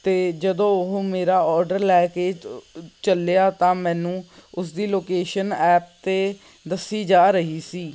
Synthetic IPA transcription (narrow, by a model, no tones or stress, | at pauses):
t̪eːd͡ʒəd̪õːʊɦõmeːɾaːɔːɾɖəɾlɛːkeːd͡ʒt͡ʃəleaːt̪ãːmɛ̃ːnũːʊsd̪iːloːkeːʃənɛːp̚t̪eː | d̪əsːiːd͡ʒaːɾəɦiːsiː